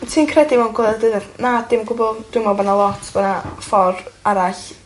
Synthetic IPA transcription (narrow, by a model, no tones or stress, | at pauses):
tʰiːnkʰrɛdimɛnɡwɔðdədanadɪmɡʊbɔd̥ʊmabɔnalˠɔtʰb̥ɔnafɔraɾaɬ